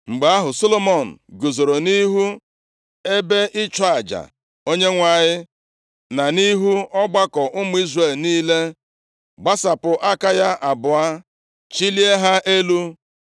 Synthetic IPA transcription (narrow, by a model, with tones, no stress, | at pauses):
ŋ͡m̩˨ɡ͡ba˨˦a˦ɦʊ˨so˦lo˦mo˨n̩˨ɡo˨zo˨ɾo˨ni˦ɦu˦ | e˦be˦ʔɪ˦t͡ʃa˨d͡ʒa̰˨ | o˦ɲe˦ŋʷa˨ɲɪ˦ | na˨ni˦ɦu˦ɔ˦ɡ͡ba˦kɔ˨ʔʊ˦mʊ˦i˦zre˦˨lniː˦le˦ | ɡ͡ba˦sa˨pʊ˨ʔa˦ka˦ja˦ʔa˨bʊ˨a˦ | t͡ʃi˦li˦e˦ɦa˦ʔe˦lu˦